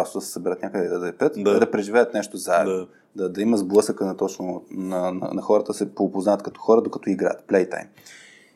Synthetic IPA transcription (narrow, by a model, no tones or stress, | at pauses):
ɾost̪od̪ɐsɛ̥sɐbɛɾət̪nʲakəd̪ɛd̪ɐd̪ɐɛpɾət̪ɛd̪ɐpɾɛʒivɛət̪nɛʃt̪ozaɛ̰ | d̪ɐd̪ɐimɐzblˠɤsəkənɐt̪ɔt͡ʃnonɐnɐ̰nɐxɔɾət̪əd̪ɐsɛpopoznaət̪kɐt̪ɔ̥xɔɾɐd̪okɐt̪ɔiɡɾa̰ə̰t̪plɛjt̪a̰jm